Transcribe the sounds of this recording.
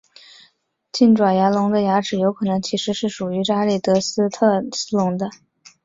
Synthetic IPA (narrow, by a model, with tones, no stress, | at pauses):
t͡ɕi˥˩nʈ͡ʂwa˨˩nja˧˥lʊ˧˥ŋd̪ə˧ja˧˥ʈ͡ʂɻ̩˨˩jo˧˥ʊkʰɤ˨˩nɤ˧˥ŋt͡ɕʰi˧˥ʂɻ̩˧˥ʂɻ̩˥˩ʂu˨˩y˧˥ʈ͡ʂa˥li˥˩t̪ɤ˧˥sɹ̩˥t̪ʰɤ˥˧sɹ̩˥lʊ˧˥ŋd̪ə˧